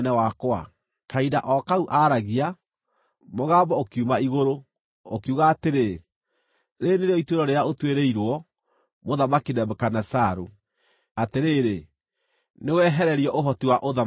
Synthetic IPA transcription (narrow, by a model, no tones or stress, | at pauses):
nɛwakwa̰ | kaidaʔɔkauʔaɾaɣia | moɣaːmbɔokiumaiɣoɾo | okiuɣaːteɾe | ɾeneɾeɔitweɾɔɾeaotweɾeiɾwɔ | moðamakinɛbekanasaɾo | ateɾeɾe | newɛɦɛɾɛɾiɔʔoɦɔtiwaʔoða